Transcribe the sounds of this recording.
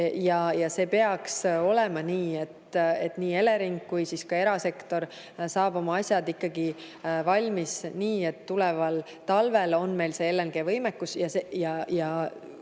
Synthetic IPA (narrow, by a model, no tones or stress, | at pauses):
jɑjɑse̞ːpe̞ɑkso̞lemɑniːe̞t̪e̞t̪niːe̞le̞ɾiŋkːujsiskɑe̞ɾɑse̞kt̪o̞ɾ | sɑːb̥o̞mɑɑsʲjɑd̪ikːɑɡ̥i | vɑlʲmisniːe̞t̪ːulɛvɑl | t̪ɑlve̞lo̞nme̞jlse̞elːenɡ̥e̞vɤjmekːusjɑsejɑjɑ